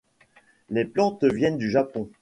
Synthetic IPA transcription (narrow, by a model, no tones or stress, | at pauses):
leplɑ̃t̪vjɛnd̪yʒapɔ̃